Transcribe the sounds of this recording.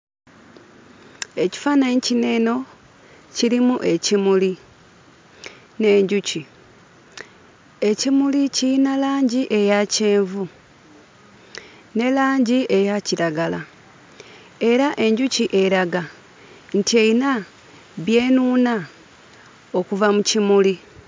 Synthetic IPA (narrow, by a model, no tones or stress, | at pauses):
e̞ci̥fanaɲicine̞ːno̞ | ciɾimuʔe̞cimuli | ne̞ːɲɟuci | e̞cimuliciinalaːɲɟiʔe̞jaceːɱvu | ne̞laːɲɟie̞jaciɾaɡala | e̞ɾaʔe̞ɲɟuciʔe̞ɾaɡa | n̩tie̞ina | βje̞ːnuːna | o̞kuvamucimuli